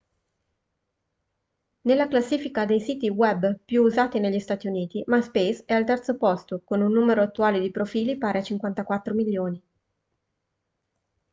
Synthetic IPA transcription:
nelːaklasːiːfikad̪ejsiːt̪iwɛbpjuːzaːt̪ineʎːist̪aːt̪iuniːt̪imaspejsɛalt̪ɛrt̪sopɔst̪okonunːuːmeɾoat̪ːuaːled̪ipɾofiːlipaːɾeat͡ʃiŋkwant̪akwat̪ːɾomiʎːoːni

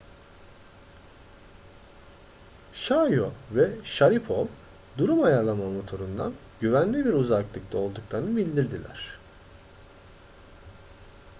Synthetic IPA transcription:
ʃajovɛʃaɾipʰolˠ | d̪uɾumajaɾlˠamamo̞t̪ʰo̞ɾund̪a̰n | ɟyvænlʲibiɾuzaklˠɯkt̪ʰˠao̞lˠd̪uklˠaɾɯnɯbilʲd̪iɾd̪ilʲæ̰ɾ̝̥

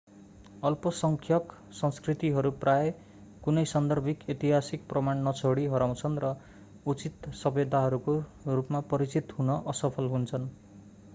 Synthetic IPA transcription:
ʌlpʌsʌŋkʰjʌk | sʌ̃nskrit̪iɦʌɾupraje | kunʌjsʌnd̪ʱʌrbʱiket̪iɦasik̚prʌmaɳnʌt͡sʰoɽiɦʌɾaw̃t͡sʰʌnrʌ | ut͡sit̪sʌbed̪ʱaɦʌɾukorupmapʌɾit͡sit̪ɦunʌʔʌsʌpʰʌlɦunt͡sʰʌn

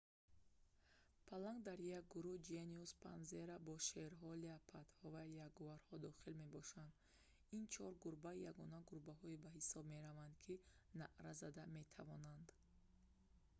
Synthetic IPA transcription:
pʰalaŋɡd̪aɾjak̚ɡuɾud͡ʒeniuspʰanzeɾabɔʃeɾɦɔleapʰat̪hɔvajaɡuvaɾhɔd̪ɔχilme̞bɔʃand̪ | int͡ʃʰɔɾɡuɾbajaɡɔnaɡuɾbaɦɔibaɦisɔbme̞ɾavand̪kʰinaʔɾazad̪ame̞t̪ʰavɔnand̪

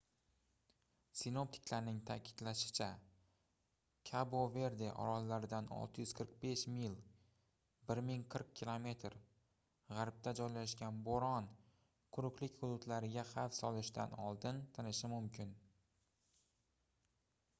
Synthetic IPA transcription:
sɪno̞p̚t̪ʰɪ̥kʲlaɾnɪŋt̪ʰa̰kʲʰɪ̥d̪laʃɪ̥t͡ʃʰa | kʲʰabove̞ɾd̪eʔɒ̰ɾɒzlaɾɪd̪anɒ̰lˠt̪ʰɪjʏzqʰɨɾq̚be̞ʃmilˠ | bɪɾmɪŋqʰɨɾq̚kʲʰːilˠome̞t̪ʰɾ | ʁaɾp̚t̪ʰad͡ʒɒjlaʃɡʲanboɾɒn | qʰʊɾʊqlɪkʲχʊd̪ʊt̪laɾɪɡʲaχafsɒlɪʃd̪a̰nɒ̰lˠd̪ɪnt̪ʰanɪʃɪmʊmkʲʰɪn

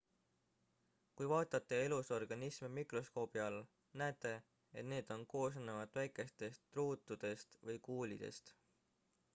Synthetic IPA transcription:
kujvɑːt̪ˑɑt̪ːˑe̞e̞luso̞rɡ̥ɑnismemikro̞sko̞ːb̥iɑl | næet̪ːˑe̞ | et̪ne̞ːd̪̥o̞nko̞ːs̬ɑnːevɑd̪̥ˑvæjkˑe̞st̪e̞st̪ːruːt̪ˑːud̪̥e̞st̪vɤjkuːlid̪̥e̞̰st̪

